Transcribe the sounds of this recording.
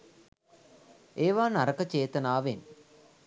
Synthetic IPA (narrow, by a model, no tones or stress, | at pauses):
eːʋaːnaɾɐkət͡ʃeːt̪ɐnaːʋen